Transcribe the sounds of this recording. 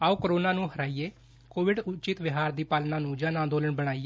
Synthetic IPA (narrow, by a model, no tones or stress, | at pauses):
aːuːkəɾoːnaːnũːɦəɾaːiːeː | koːʋɪɖʊt͡ʃɪt̪ʋɪɦaːɾd̪iːpalnaːnũːd͡ʒaːnãːnd̪oːləɳbəɽ̃aːiː